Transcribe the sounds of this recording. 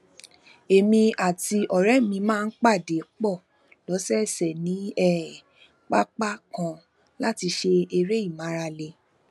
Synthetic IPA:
e˨mĩ˧a˨ti˧ʔɔ˨ɾɛ˦mĩ˧mãː˦˧˦k͡pa˦˨de˨˦k͡pɔ˦˨ | lɔ˨˦sɛ˦˨sɛ˨nĩ˨˦ɛ˦˨ | k͡pa˦k͡pa˦kã˧ | la˦ti˧ʃe˧e˧ɾe˦i˦˨mã˨˦ɾa˧le˧

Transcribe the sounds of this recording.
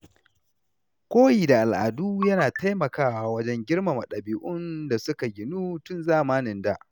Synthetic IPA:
kʷoː˦jiː˨da˨ʔa˨lʔa̰˨duː˦jɐ˦naː˨ta˦jmɐ˨kaː˦wa˨wɐ˦d͡ʒɛ˦ŋɡʲɪ˦rma˨ma˨ɗɐ˨biː˨ʔʊ˦nda˨sʊ˦ka˨ɡʲɪ˨nuː˦tʊ˦nzaː˦maː˦nɪ˨nda˦˨ʔ

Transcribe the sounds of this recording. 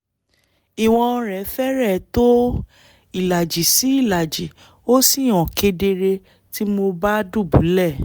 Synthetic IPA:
i˨w̃ɔ̃˧ɾɛ˨˦fɛ˦ɾɛ˦˨to˦ | i˦˨la˨d͡ʒi˨si˨˦i˦˨la˨d͡ʒi˨ | o˦si˦˨ɔ̃˨ke˧de˧ɾe˧ | ti˦mo˧ba˦du˦˨bṵ˨˦lɛ˦˨

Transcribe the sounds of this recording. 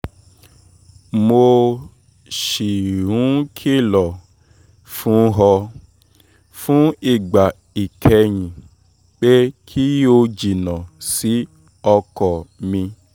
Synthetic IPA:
mo˧ | ʃi˨ɾ̃ũ˨˦kʰi˦lɔ˨ | fũ˦ɦɔ˧ | fũ˦i˦˨ɡ͡ba˨ | i˨kʰɛ˧ɲ̃ĩ˨ | k͡pe˦kʰi˦jo˧d͡ʒi˨nã˨si˨˦ | ɔ˧kɔ˨mĩ˧

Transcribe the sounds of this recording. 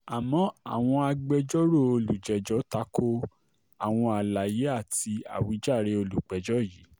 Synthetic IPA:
a˨mɔ̃˧˦a˨w̃ɔ̃˧a˧ɡ͡bɛ˧d͡ʒɔ˦ɾo˦˨o˧lu˨d͡ʒɛ˨d͡ʒɔ˨˦ta˨˦ko˦ | a˨w̃ɔ̃˧a˨la˨je˨˦a˦˨ti˧a̰˨wi˨˦d͡ʒa˦˨ɾe˧o˧lu˨k͡pɛ˨˦d͡ʒɔ˦ji˨˦

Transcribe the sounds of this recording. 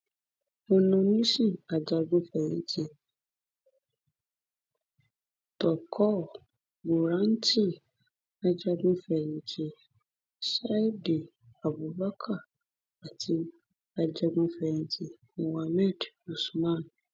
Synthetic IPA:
o˧nũ˧nĩ˦si˦˨a˨d͡ʒa˧ɡũ˧˦fɛ˨jḭ̃˨ti˧ | tɔ˨kʰɔ˦˨ | bo˨ɾã˨˦n̩˦ti˦˨ | a˧d͡ʒa˧ɡũ˦fɛ˨jĩ˨d͡ʒe˧ | sa˦i˦de˨ | a˨bu˨˦ba˦kʰa˦˨ | a˨tʰi˨˧˦ | a˧d͡ʒa˧ɡũ˧˦fɛ˧˨ĩ˧d͡ʒi˧ | ũ˧wa˧mɛ˦˨d | u˨su˨mã˦˨n˨

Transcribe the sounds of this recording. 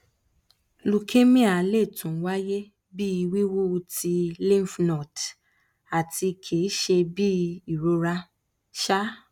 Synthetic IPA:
lu˨kʰe˦mĩ˦a˨˦le˦˨tũ˨˦wa˦je˦ | bi˦i˧wi˦wu˦˧ti˧lĩ˦˨fnɔ̃˨t | a˨ti˧kʰe˨˦ʃe˧bi˦i˨ɾo˧ɾa˧ | ʃa˦

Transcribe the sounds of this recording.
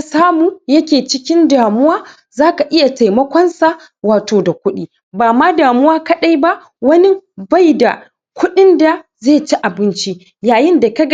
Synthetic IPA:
a˦saː˦muː˨jɐ˦kʲeː˨t͡ʃɪ˦kʲɪ˦ndaː˨mʊ˦waː˦ | zaː˦ka˨ʔɪ˦ja˨ta˨jmɐ˦kʷɔ˦nsa˦ | waː˨toː˨da˨kʷʊ˦ɗiː˦ | baː˨ma˦daː˨mʊ˦waː˦kɐ˦ɗa˦jba˦ʔ | wɐ˦ni˦ba˦˨jda̰˨ | kʷʊ˦ɗɪ˦nda˨zeː˦˨t͡ʃi˦ʔa˨bɪ˦nt͡ʃi˦ | jaː˨jɪ˦nda˨kɐ˦ɡ

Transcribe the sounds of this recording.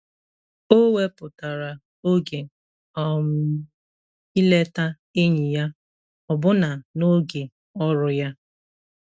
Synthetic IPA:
o˦we˦pʊ˨ta˨ɾa˨ | o˦ɡe˨ | ɔ˦m̩˦ | i˦le˦ta˦ | e˦ɲi˨ja˦ | ɔ˨bʊ˦na˨no˦ɡe˨ | ɔ˦ɾʊ˨ja˦

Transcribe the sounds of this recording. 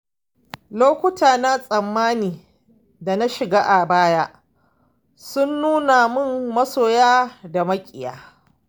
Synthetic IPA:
loː˦kʷʊ˦tʰaː˨na˦sʼɐ˨mːaː˦niː˨ | da˨na˦ʃɪ˨ɡaː˦ʔa˨baː˦ja˦ʔ | sʊ˦nːuː˦na˨mɪ˦˨mːɐ˦soː˨jaː˦da˨mɐ˦kʲʼɪ˨ja̰ː˨

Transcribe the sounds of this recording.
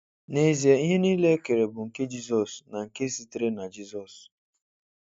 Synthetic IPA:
ne˨zi˨e˨i˦ɦe˦niː˦le˦e˦ke˨ɾe˨bʊ˨ŋ̩˨ke˦d͡ʒi˦sɔ˨sna˨ŋ̩˨ke˦si˦ti˦ɾe˦na˨d͡ʒi˦sɔ˨s

